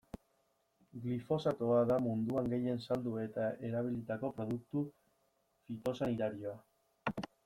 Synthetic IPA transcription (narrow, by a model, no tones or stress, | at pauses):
ɡlifo̞sat̪oaðamund̪uaŋɡe̞je̞nsald̪ue̞t̪ae̞ɾaβ̞ilit̪ako̞pɾo̞ð̞uk̚t̪u | fit̪o̞sanit̪aɾio̞a